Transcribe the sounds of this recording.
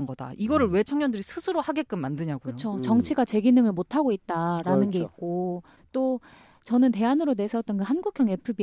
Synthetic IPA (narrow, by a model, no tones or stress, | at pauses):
nɡʌda̰iɡʌɾɯɭwe̞t͡ɕʰʌŋɲʌndɯɾisʰɯsʰɯɾohaɡe̞k͈ɯmːandɯɲaɡoɯt͡ɕʰot͡ɕʌŋt͡ɕʰiɡat͡ɕe̞ɡinɯŋɯɭmotʰaɡoit̚t͈aɾanɯnɡe̞ik̚k͈o | t͈o | t͡ɕʌnɯnte̞anɯɾone̞sʰʌt̚t͈ʌnɡeɦanɡukʰjʌŋe̞pʰɯbi